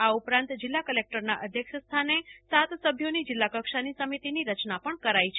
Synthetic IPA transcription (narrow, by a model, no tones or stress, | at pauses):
aupɾãnt̪d͡ʒɪlːakəlek̚ʈəɾnaʔəd̪ʱjəkʃəst̪ʰanesat̪səbʱjonid͡ʒɪlːakəkʃanisəmit̪iniɾət͡ʃnapəɳkəɾait͡ʃʰ